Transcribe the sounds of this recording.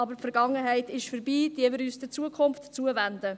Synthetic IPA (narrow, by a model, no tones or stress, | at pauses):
ɑbəɾfɛɾɡ̥ɑŋːəɦɛɪtɪʃfəɾbiːd̥̪iəmɪɾyːsd̥ət͡suəkʰʊnftt͡suəvænd̪ə